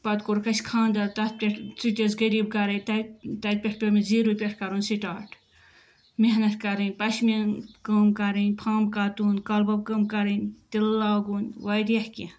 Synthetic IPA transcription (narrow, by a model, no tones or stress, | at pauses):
pɐd̪koɾkɐsʲkʰãːnd̪ɐlt̪ɐt̪̚pʲeʈʰt͡siʈʲizɡɐɾiːb̚kɐɾɐt̪ɐt̪ɐt̪̚pʲeʈʰpʲɐmiziːɾupʲeʈʰkɐɾuːnʲsiʈaːʈʰ | meɦnɐt̪kɐɾɨnʲpɐʃmʲinkɐːmkɐɾinʲpʰaːmkaːt̪uːnkɐlbɐb̚kɐːmkɐɾinʲt̪ilːaːɡuːnʲwɐjd̪jɐhkʲi